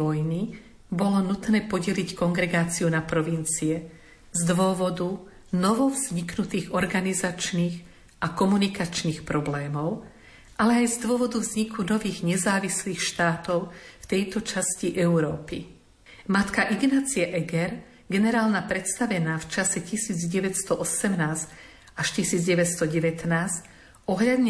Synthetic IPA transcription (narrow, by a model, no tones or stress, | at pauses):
ɔjni | bɔlɔnut̪nɛːpɔɟɛlickɔŋɡɾɛɡaːt͡siunapɾɔʋint͡siɛ | zd̪ʋʊɔʋɔd̪u | nɔʋɔvz̥ɲiknut̪iːɣɔɾɡanizat͡ʃniːɣ | ʔakɔmunikat͡ʃniːxpɾɔblɛːmɔʊ | ʔalɛajzd̪ʊɔʋɔd̪uvzɲikʰunɔʋiːɣɲɛzaːʋisliːxʃt̪aːt̪ɔʊft̪ɛjt̪ɔt͡ʃasciʔɛuɾɔːpi | mat̪kaʔiɡnaːt͡siɛʔɛɡɛɾ | ɡɛnɛɾaːlnapɾɛt̪st̪aʋɛnaːft͡ʃasɛcisiːd͡zɟɛʋɛcst̪ɔʔɔsɛmnaːzc | aʃcisiːd͡zɟɛʋɛt̪st̪ɔɟɛʋɛt̪naːsc | ɔɦʎad̪ɲɛ